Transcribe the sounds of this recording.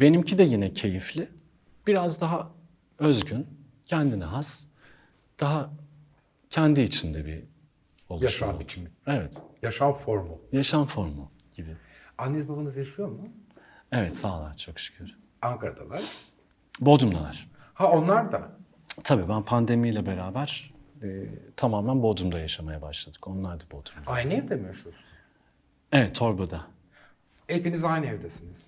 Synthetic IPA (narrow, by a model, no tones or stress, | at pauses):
be̞nimcʰid̪ɛjinɛcʰe̞jiflʲɪ | b̥iɾazd̪aɦa | ø̞zɟyn | cʰɛnd̪inɛɦas | d̪̥aɦa | cʰɛnd̪iːt͡ʃʰind̪ɛbḭ | olˠjaʃanbit͡ʃʰimevɛt̪jaʃanfoɾmujaʃanfo̞ɾmṵ | ɟ̥ibianːezbabanɯzjaʃɯjo̞mʊ | evɛt̪saːlˠaɾt͡ʃʰo̞kʃy̥cʰyɾ | aŋkaɾad̪alˠaɾ̥ | bo̞d̪umd̪alˠa̰ɾ̥hao̞nlˠaɾd̪a | t̪ʰabiːbænpʰand̪e̞mijlʲɛbe̞ɾaːbæɾ̥ | t̪ʰamaːmænbo̞d̪umd̪ajaʃamajabaʃlˠad̪ɯko̞nlˠaɾd̪abod̪umaajniɛvd̪emijoʃuos | evɛt̪ʰːo̞ɾbad̪a | epinizajniɛvd̪esiniz̥